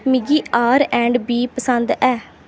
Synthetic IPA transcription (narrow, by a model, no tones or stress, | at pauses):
mɪɡiːʔaːɾɛ̃ːɳɖbiːpəsənd̪ɛː